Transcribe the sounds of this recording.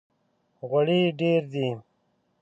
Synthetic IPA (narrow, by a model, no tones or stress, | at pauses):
ɣɐɽiɖeːɾd̪i